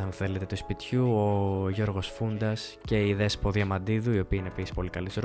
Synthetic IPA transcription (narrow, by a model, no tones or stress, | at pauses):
ɐnθe̞le̞t̪e̞t̪uspit̪çuoʝo̞ɾɣo̞sfund̪ɐs | ce̞iðe̞spoðiɐmɐnd̪iðuio̞piɐinepisi̥spo̞likɐlisɾ